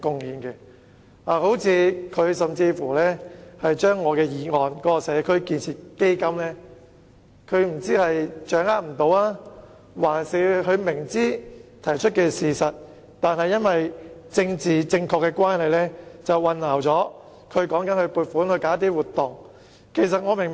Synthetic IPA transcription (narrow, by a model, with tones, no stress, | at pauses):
kʊ˨˧ŋjiː˨˧nkɛ˧ | aː˨˩ho˨˥wt͡sʰiː˨˧kʰɵ˨˧ɥsɐ˨mt͡siː˧fuː˨˩lɛː˥hɐ˨jt͡ʃœː˥ŋːɔː˨˧kɛː˧jiː˨˧ŋɔː˨˧nkɔː˨˦˥kɔ˧sɛː˨˧kʰɵ˥ɥkiː˧nt͡sʰiː˨˩t̚ke˥jkɐ˥mlɛː˥ | kʰɵ˨˧ɥm̩˨˩t͡siː˥hɐ˨jt͡ʃœː˨˥ŋaː˥t̚m̩˨˩t̪o˨˧waː˥ | waː˨˩nsiː˨˧ɦɵ˨˧ɥmɪ˨˩ŋt͡siː˥t̪ʰɐ˨˩jt͡ʃʰɵ˥t̚kɛː˧siː˨sɐ˨t̚ | t̪aː˨nhɐ˨jɐ˥nwɐ˨jt͡sɪ˧ŋt͡siː˨t͡sɪ˧ŋkʰɔː˧kːɛː˧kʷaː˥nhɐ˨jlɛː˥t͡sɐ˨wːɐ˧nlaː˨˩wt͡sɔː˨˥ | kʰɵ˨˧ɥkɔː˨˥ŋkɐ˨˥nhɵ˧ɥpuː˧t̚fuː˨˥nhɵ˧ɥkaː˨˥t̪iː˥wuː˨˩t̪ːʊ˨ŋ | kʰe˨˩js̬ɐ˨t̚ŋɔː˨˧mɪ˨ŋ